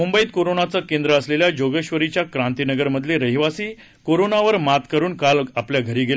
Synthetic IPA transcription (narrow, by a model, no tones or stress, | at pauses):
mumbəiːt̪̚koɾonat͡səːkend̪ɾəəsleljad͡ʑoɡəɕʋəɾit͡ɕjakɾant̪inəɡəɾməd̪ʱleɾəɦiʋasiː | koɾonaʋəɾmat̪kəɾuːnkalapljaɡʱəɾiːɡel